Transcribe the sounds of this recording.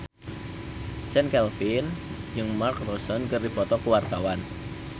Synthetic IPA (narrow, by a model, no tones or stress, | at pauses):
t͡ʃɛnkɛlfinjɨŋmarkrosɔnkərdi̤pɔt̪ɔkuwart̪awan